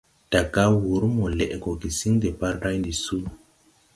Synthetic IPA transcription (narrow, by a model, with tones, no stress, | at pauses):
d̥a˨ɡa˦wu˨˦ɾmo˨le˨ʔɡo˨ɡi˨si˦ŋde˨pa˦ɾɾa˦jndi˨su˦